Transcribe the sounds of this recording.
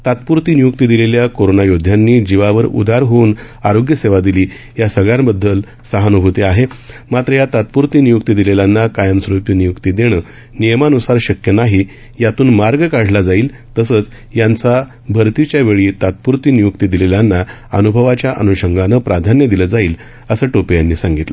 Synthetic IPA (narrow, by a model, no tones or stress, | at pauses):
t̪at̪̚puɾt̪inijuk̚t̪id̪ileljakoɾonajod̪ʱːjanːiːd͡ʑiʋaʋəɾṵd̪ʱaɾɦoːn | aɾoɡjəseʋad̪iliː | jasəɡɭjãmbəd̪ʱːəl | səɦanubʱut̪eaɦemat̪ɾəjat̪at̪̚puɾt̪iːnijukt̪id̪ileljanːakajənsɾupjənijukt̪id̪eɽ̃əː | nijəmanusaɾɕəkjənaɦi | jat̪uːnmaɾɡəkaɽ̤ʱlad͡zaiːl | t̪əsəːt͡s | jant͡sa | bʱəɾt̪it͡ɕjaʋeɭiːt̪at̪̚puɾt̪iːnijukt̪id̪ileljanːa | ənubʱəʋat͡ɕjaʔə̰nuɕəŋɡanəpɾad̪ʱanjəd̪iləd͡zaiːl | əsəːʈopijanːiːsãŋɡit̪lə